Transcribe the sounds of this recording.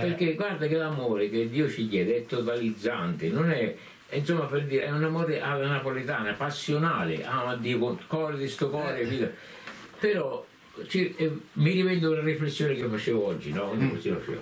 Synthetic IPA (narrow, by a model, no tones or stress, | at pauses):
peɾkeɡward̪akelamoːɾeked̪ːiːʊt͡ʃiɡjɛːd̪ɛt̪ːot̪alid̪zːant̪ɪnʊnɛ | insomːaperd̪iːɾɛunamoːɾeʔalanapolit̪aːnapasːjonaːlɪ̰ʔaːmad̪ːiːkokɔled̪ist̪opɔːɾeviːt̪a | pɪɾɔ | t͡ʃimːiɾivɛnd̪ʊlariflesːjoːnɪkifat͡ʃeːvʊɔd͡ʒːinɔkond̪ɪkosia̰t͡ʃḛː